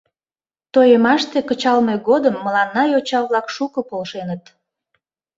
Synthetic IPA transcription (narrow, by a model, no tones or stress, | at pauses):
t̪ojəmɑʃt̪ekət͡ɕɑlmeɣod̪əmːəlɑnːɑjot͡ɕɑβlɑkʃukəpolʃenət̪